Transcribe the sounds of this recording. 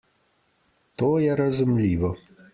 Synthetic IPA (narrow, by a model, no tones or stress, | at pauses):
t̪ɔjɛɾɐzʊmlʲiʋɔ